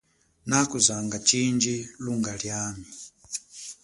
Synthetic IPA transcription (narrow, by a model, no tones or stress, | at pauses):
nakuzaŋɡat͡ʃind͡ʒiluŋɡaljaːmi